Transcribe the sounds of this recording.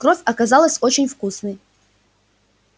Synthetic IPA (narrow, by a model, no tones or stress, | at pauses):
krovʲɐkazalˠəsʲo̞t͡ɕɪnʲfkusnɨj